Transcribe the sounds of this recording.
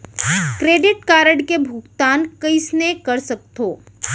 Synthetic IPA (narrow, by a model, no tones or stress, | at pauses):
kɾeːɖɪʈkaːɾəɽkebʱʊɡt̪aːnkɐɪsnekɐɾsɐk̚t̪oː